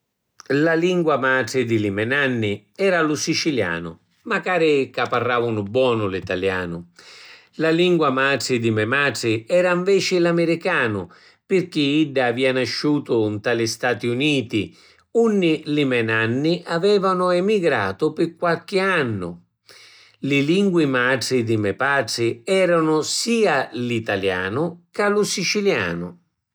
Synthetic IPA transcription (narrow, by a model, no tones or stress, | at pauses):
laliŋɡwamaːʈɾɪd̪ɪlimɛnanːɪ | ɛːɾalʊsit͡ʃilja̰ːnʊ̰ | makaːɾɪkapːarːaːvʊnʊbwɔːnʊlit̪aljaːnʊ | laliŋɡwamaːʈɪd̪imɛmaːʈɪɛːɾaiɱvɛːt͡ʃɪlamɪɾikaːnʊ | pɪrk̟iiɖːaːviːanaʃːuːt̪ʊnt̪alɪst̪aːt̪iuniːt̪i | unːilɪmɛnanːiʔavɛːvanʊɛmiɡɾa̰ːt̪ʊpɪkːwalk̟ɪanːʊ̰ | lɪliŋɡwimaʈid̪imɛpaʈsɪɛːɾanʊsiːalit̪alja̰ːnʊkalʊsit͡ʃilja̰ːnʊ̰